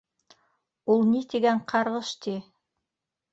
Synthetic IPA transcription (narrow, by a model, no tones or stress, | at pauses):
ulˠnit̪eɡæɴqʰɑɾʁɤʃt̪i